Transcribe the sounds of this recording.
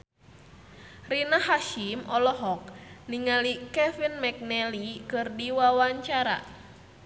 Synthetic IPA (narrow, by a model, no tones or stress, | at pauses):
rinaɦaʃimɔlɔɦɔk̚niŋalikɛfinmɛk̚nɛlikɨrdiwawaɲt͡ʃaɾa̰